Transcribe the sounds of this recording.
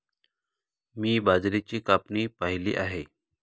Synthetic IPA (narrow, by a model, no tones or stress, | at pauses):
miːbad͡zɾit͡ɕiːkapnipaɦilḭːʔaɦe